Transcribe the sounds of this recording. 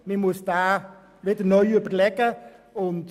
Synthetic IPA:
memuəstaː | letənoyəpərlɛkəɔn

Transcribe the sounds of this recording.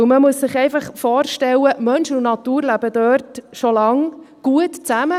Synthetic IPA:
məmuəsːɪχɛɪfɑχfɔːɾʃtɛwəmœnʃʊnnɑt̪uːɾlæb̥ədøːɾtʃɔlɑŋ | ɡ̥uətt͡sæmə

